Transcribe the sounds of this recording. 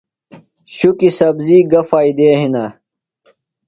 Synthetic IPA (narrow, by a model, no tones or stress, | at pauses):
ɕukisɐbziːɡɐfaːid̪eːɦinɐ